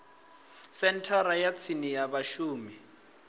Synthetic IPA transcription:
sɛntʰaɾajat͡sʰinijaβaʃuːmi

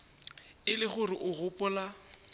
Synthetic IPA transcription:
ɪlɪχʊrɪʔʊɣʊpʼɔla

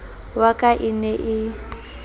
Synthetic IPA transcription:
wakʼaʔinɛʔɪ

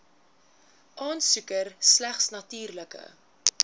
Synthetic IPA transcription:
ʔɑːnsʉkərslæχsnɐtyːrləkə̰

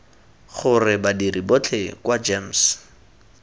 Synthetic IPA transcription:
χʊrɪbadiribot͡ɬʰekwad͡ʒems

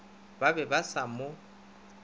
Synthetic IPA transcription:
babɛbasamo

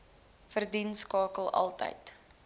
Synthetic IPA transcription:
fərdinskɑːkəlˠʔɐ̰lˠtə̰jt

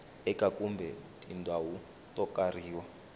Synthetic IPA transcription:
ɛkʼakʼumbʱɛtʼindʱawu | tʼɔkʼariːwa

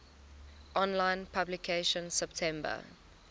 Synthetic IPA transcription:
ʔɔ̃nlãɪ̃npʰablikʰeʃə̃nsɛptʰɛ̃mbə̰

